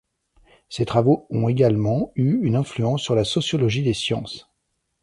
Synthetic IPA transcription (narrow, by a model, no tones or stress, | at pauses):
set̪χavoɔ̃eɡalmɑ̃yynɛ̃flyɑ̃sːyʁlasɔsjɔlɔʒid̪esjɑ̃s